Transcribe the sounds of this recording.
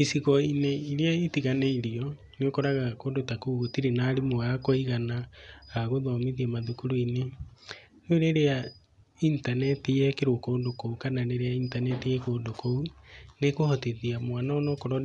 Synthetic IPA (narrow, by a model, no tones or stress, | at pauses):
esiɣɔineiɾeaetiɣaneiɾiɔ | neokɔɾaɣakodotakuɣotiɾenaːɾemoakɔiɣanaaɣoðɔmiðiamaðukuɾuine | noɾeɾea | intanɛtijɛkeɾokoːndokoukananeɾeaintanɛtiɛkoːndokounekohɔteðiamwanaɔnɔkoɾɔ